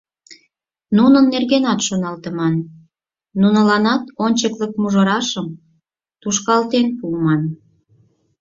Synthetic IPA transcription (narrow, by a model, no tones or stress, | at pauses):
nunənːerɣenɑt̪ʃonɑlt̪ə̆mɑnː | unəlɑnɑt̪onʲt͡ɕəklək̚muʒɤ̆ɾɑʃəm | t̪uʃkɑlt̪enpumɑn